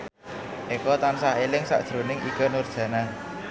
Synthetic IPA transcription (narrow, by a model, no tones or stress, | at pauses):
ʔekɔt̪ansaɦelɪŋsa̰ʔd̥ʒ̥ɾo̤nɪŋʔḭɡ̥ɔ̤nʊrd̥ʒ̥ä̤na